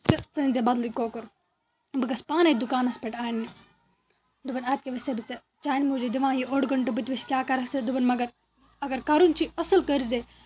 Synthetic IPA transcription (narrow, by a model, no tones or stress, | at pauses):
t̪ɨt͡sɐnʲzebɐd̪likoːkɐɾ | bɨkɐspaːnɐd̪ukaːnɐspeʈaːnːi | d̪ubɐnaːt̪̚keʋɐsebit͡se | t͡ʃaːinmud͡ʒud̪iʋãːjiʔoɽɡɐɳʈɐbɨt̪ʲʋiskʲjaːkɐɾɐksed̪ubɐnmɐɡɐɾ | ɐɡɐɾkɐɾunt͡ʃʰiɐsɨlkɐɾze